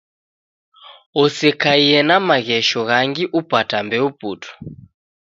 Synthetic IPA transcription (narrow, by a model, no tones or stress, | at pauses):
ɔsɛkaiɛnamaɣɛʃɔɣaŋɡiʔupatambɛupuːtʰɔ̥